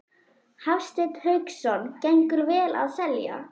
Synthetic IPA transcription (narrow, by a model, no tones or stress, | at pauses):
hafst̪ɪt̪hœɥksɔncɛjŋkʏɾvɛːla̰ðsɛlja̰